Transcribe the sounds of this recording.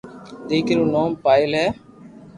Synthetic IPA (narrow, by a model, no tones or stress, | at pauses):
d̪eːkɾuːnoːmpaːɪlɦɛː